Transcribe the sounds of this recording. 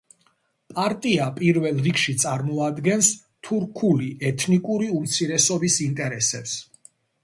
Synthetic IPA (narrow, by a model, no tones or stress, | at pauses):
pʼaɾt̪ʼiapʼiɾvɛlˠɾikʰʃit̪sʼaɾmɔad̪ɡɛns | t̪ʰuɾkʰuliɛt̪ʰnikʼuɾiumt̪sʰiɾɛsɔbisint̪ʼɛɾɛsɛps